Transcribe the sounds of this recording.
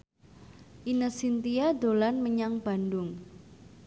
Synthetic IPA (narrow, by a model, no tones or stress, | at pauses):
ʔinəsint̪iad̪olanməɲaŋb̥a̤ndʊŋ